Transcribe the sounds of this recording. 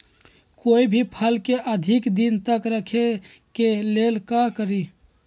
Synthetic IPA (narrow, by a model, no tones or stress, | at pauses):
koibʱipʰəlkeʔəd̪ʱikd̪int̪əkɾəkʰe | kelelkakəɾi